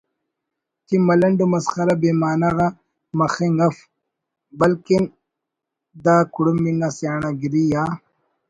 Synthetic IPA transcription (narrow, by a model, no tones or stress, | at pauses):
timɐlɐɳɖumɐsxɐɾabeːmaːnaɣa | mɐxiŋɡɐf | bɐlkin | d̪aːkuɽumːiŋɡasjaːɳaɡiɾijaː